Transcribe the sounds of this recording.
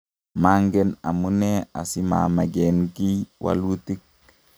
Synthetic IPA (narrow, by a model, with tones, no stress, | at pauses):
ma˦ŋɡɛ˦na˨mu˦nɛ˦a˨si˦ma̰ma˨ɡenki˦wʔa̰lu˦ti˦k̚